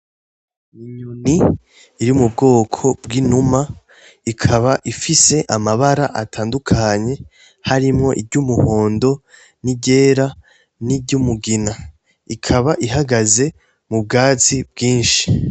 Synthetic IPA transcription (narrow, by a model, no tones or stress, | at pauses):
iɲuniː | ɾimub̚ɡo̞ːkʰo̞bɡinuma | ikʰaβaʔifise̞ʔamaβaɾaʔatʰaːndukʰaɲe̞ | haɾimŋo̞ʔiɾɟumuho̞ːndo̞ | niɟe̞ːɾa | niɟumuɡina | ikʰaβaʔiɦaɡaze̞ | mub̚ɡaːt͡sib̚ɡiːnʃi̥